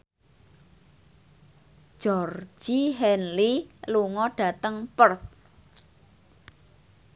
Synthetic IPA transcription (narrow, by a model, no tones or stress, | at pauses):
ʒ̥ɔr̥d͡ʒʒ̥iɦɛnliluŋɔɖ̥a̤t̪əŋpərθ